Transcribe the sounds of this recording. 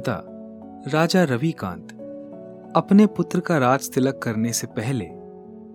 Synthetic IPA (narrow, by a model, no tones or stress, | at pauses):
t̪a̰ | ɾaːd͡ʒaɾɐʋikã̰ːnt̪ | ɐpnepʊt̪ɾəkaɾaːd͡ʒt̪ɪləkːɐɾnesepɛɦlḛː